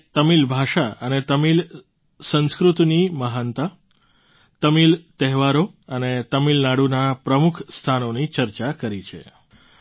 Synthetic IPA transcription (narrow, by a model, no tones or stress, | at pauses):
t̪əmilbʱaʃaənet̪əmil | sə̃ñskɾut̪niməɦənt̪ə | t̪əmilt̪ɛɦʋaɾoənet̪əmilnaɽunapɾəmukʰst̪ʰanonit͡ʃəɾt͡ʃakəɾit͡ʃʰḛ